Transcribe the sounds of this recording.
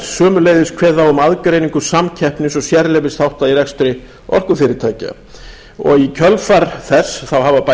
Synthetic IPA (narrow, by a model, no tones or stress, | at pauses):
sœːmʏleːjðɪskʰvɛːðaʏmaðkɾejniŋkʏsamcʰɛhpnɪsɔɣsjɛɾlɛvɪst̪ʰawht̪aðiɾɛkst̪ʏɾɪ | ɔ̰r̥kʏfɪːɾɪt̪ʰaːjca̰ | ɔ̰ɣicʰœlfaɾθɛsθawɦavapa